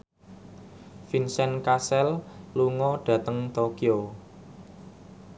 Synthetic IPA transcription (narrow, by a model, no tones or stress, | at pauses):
finsɛnkasɛlluŋɔɖ̥ä̤t̪əŋt̪okio